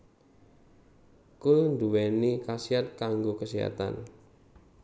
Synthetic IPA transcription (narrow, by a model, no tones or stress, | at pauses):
kʊlnd̪uwɛnikasiat̪̚kaŋɡokəsiɦa̰t̪a̰n